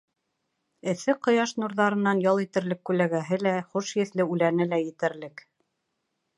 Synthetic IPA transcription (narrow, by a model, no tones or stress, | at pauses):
ɘ̆θɘqŏjɑʃnuɾðɑɾɤ̆nːɑnjɑlˠit̪ɘ̆ɾlɘkːʉlæɡæɦɘlæχuʃjɘ̆θlɘʉlænɘlæjɘ̆t̪ɘ̆ɾlɘk